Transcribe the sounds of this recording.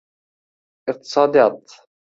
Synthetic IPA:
ʔɪq̚t̪ɨ̥sˤɑːd̪ɑt̪

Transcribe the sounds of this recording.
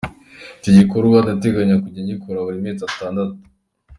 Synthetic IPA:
ciɟikoɾuwadate̞ɡaɲakuɟaɲikʰoɾaβuɾimet͡sataːndatu̥

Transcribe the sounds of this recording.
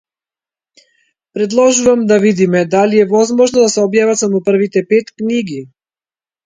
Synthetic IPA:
pɾɛd̪lˠɔʒuvamd̪avid̪imɛd̪alijɛvɔzmɔʒnɔd̪asɛɔbjavat̪samɔpər̩vit̪ɛpet̪kniɡi

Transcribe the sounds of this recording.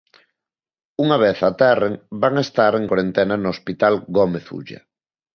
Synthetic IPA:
uŋaβ̞eθat̪ɛreŋbaŋest̪aɾeŋkwaɾent̪enanoospit̪alɡomeθṵʎɐ̰

